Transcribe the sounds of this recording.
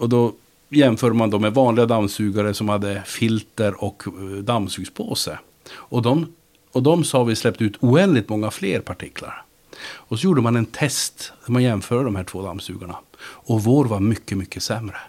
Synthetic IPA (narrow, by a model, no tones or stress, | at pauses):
ɔd̪ɔ | jɛmfœːɖəmand̪ɔmɛvɑːnlɪɡad̪amsʉːɡaɾəsɔmhad̪ːəfɪlt̪əɾɔkd̪amːsʉːɡspʰoːsə | ɔd̪ɔm | ɔd̪ɔmsɑːvɪslɛp̚ːt̪əʉːt̪ʰuːɛnd̪lɪɡ̚t̪mɔŋːafleːɾpʰaʈʰɪkʰla̰ɾ | ɔsɔjuːɖəmanɛnt̪ʰɛst̪d̪̥æɾmanjɛmfœːɖəɖɔmhæːʈʰv̥oːd̪a̰msʉ̟ːɡaɳa̰ɔvoːɾvaɾmʏkːəmʏkːəsɛmɾə